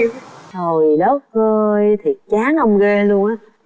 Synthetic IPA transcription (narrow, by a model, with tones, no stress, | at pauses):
zo˨˩jɗɔ˨˦w̚ɣəː˧jt̪ʰi˨˩ək̚t͡ɕaː˨˦nhə˧wŋ͡mɣe˧lu˧əŋʔaː˨˦˥